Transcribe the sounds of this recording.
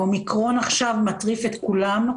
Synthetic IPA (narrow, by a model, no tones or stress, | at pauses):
omikʁo̞naχʃavmat̪ʁifet̪kulam